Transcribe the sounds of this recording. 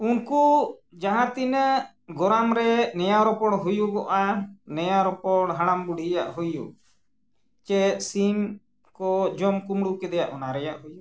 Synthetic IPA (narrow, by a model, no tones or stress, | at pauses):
unkud͡ʒaɦãt̪inə | ɡɔɾamɾɛnɛjaɾɔpɔɽɦujuɡɔʔanɛjaɾɔpɔɽ̃ɦaɽ̃ambuɽijaʔɦujṵ | t͡ʃɛsim | kɔd͡ʒɔmkumɽukɛd̪ɛjaʔɔnaɾɛjaʔɦuju